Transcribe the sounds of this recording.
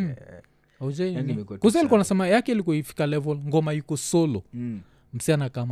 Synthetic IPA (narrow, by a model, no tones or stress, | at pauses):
aud͡ʒakus̬ailikwanasɛmajakɛilikɔifi̥kalɛvɔlŋɡɔmajukɔsɔlɔ | m̩sianakam